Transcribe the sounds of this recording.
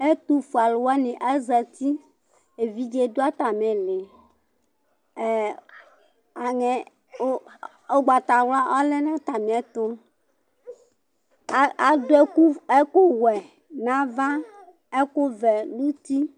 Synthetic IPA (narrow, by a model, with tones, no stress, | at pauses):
e˦t̪u˦fu˨a˨lwa˦nĩ˨ʔɛ˦zɛ˨t̪i˦ | e˨vi˦d͡ʒe˦do˦a˦t̪a˨mẽ˨le˨ | a˨ŋɛ˨ | o˦ | o˦ɡ͡ba˨t̪a˨wla˦ʔa˦lɛ˦nã˦t̪a˨mẽ˨ɛ˦t̪o˦ | a˨do˦ɛ˦ku˦ɛ˦ko˦wɛ˨ | nã˦va˦ | ɛ˦ko˦vɛ˨lu˦t̪i˦